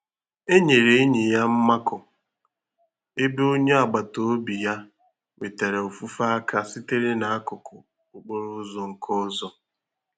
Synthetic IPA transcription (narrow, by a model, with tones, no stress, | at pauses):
e˦ɲe˨ɾe˦e˦ɲi˨ja˦m̩˦ma˦kʊ˨ | ɪ˦be˦o˦ɲe˦a˨ɡ͡ba˨to˦o˦bi˨ja˦ | we˨te˨ɾe˨o˨fu˦fa˦a˦kʰa˦si˦te˦ɾe˦na˨a˦kʊ˨kʊ˨ | ʊ˨k͡po˦ɾʊ˦ʊ˦zɔ˨ŋ̩˨kʰɔ˦zɔ˦